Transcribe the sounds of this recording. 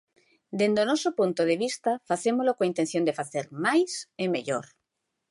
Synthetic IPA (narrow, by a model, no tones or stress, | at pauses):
d̪end̪onosopunt̪oð̞eβ̞ist̪afaθemolokoint̪ẽn̟θjond̪efaθeɾmajsemḛʎo̰ɾ